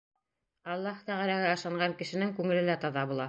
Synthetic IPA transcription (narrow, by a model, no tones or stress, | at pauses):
ɑlˠːɑht̪æʁæɾæɡɘɤ̆ʃɑɴɢɑŋkɘ̆ʃɘ̆nɘŋkʉŋɘ̆lɘ̆læt̪ɑðɑbulˠɑ